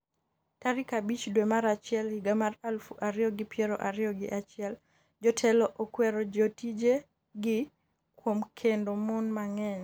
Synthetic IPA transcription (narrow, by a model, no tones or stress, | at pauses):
taɾikabit͡ʃdwemaɾat͡ʃɪɛlhiɡamaralfuʔaɾɪjɔɡɪpjɛɾɔ̰ʔaɾjɔɡɪʔat͡ʃɪɛl | d͡ʒɔtʰɛlɔʔokwɛɾɔd͡ʒotid͡ʒe | ɡɪ | kwomkʰendomɔnmaŋɛn